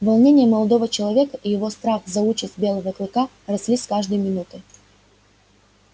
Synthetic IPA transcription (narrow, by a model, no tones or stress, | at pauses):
vɐlˠnʲenʲɪjəməlˠɐd̪ovət͡ɕɪlˠɐvʲekəijɪvo̞st̪ɾafzɐut͡ɕɪsʲt̪̚ʲbʲe̞lˠəvəklˠɨka | rɐsʲlʲisʲkaʐd̪əjmʲɪnut̪ɨ